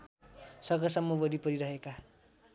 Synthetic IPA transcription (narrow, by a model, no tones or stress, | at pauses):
sʌɡʌsʌmːʌbʌɾipʌɾiɾʌɦeka